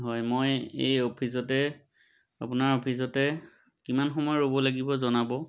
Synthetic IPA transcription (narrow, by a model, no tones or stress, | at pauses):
ɦɔjmojḛjopʰis̬ɔtɛ | apʊnaɹopʰis̬ɔtɛ | kimanxɔmɔjɔɹobɔlaɡibɔzɔnabɔ